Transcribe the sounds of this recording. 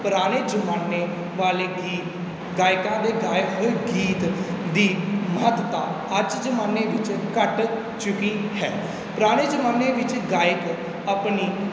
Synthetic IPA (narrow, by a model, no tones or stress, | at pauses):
pəɾaːɽ̃eːd͡ʒəmaːnːeː | ʋaːleː | iː | ɡaːjɪkãːd̪eːɡaːɪkɦoːɡiːt̪d̪iːmɦət̪t̪aː | əd͡ʒd͡ʒəmaːnːeːʋɪt͡ʃkəʈ | t͡ʃʊkiːhɛː | pəɾaːɽ̃eːd͡ʒəmaːnːeːʋɪt͡ʃɡaːɪk | əpniː